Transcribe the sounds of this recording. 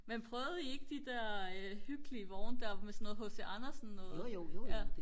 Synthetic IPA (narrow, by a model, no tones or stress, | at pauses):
menpʰʁœːʊð̩ˠie̝ɡ̥əd̥id̥ɛɐ̰øhyɡ̥liəʋɒʊnəd̥æɐmesɔno̽ːð̩ˠhɔ̽sd̥iʔɑnɐsnːɔ̽ːð̩ˠjæ